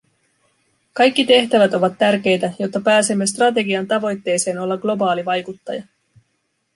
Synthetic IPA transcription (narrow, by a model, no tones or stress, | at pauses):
kɑjk̟ːit̪e̞ht̪æʋæt̪o̞ʋɑt̪ːærk̟e̞jt̪æjot̪ːɑpæːse̞mːe̞st̪rɑt̪̬e̞ɡiɑnt̪ɑʋo̞jt̪ːe̞ːse̞ːno̞lːɑɡlo̞bɑːliʋɑjkut̪ːɑjɑ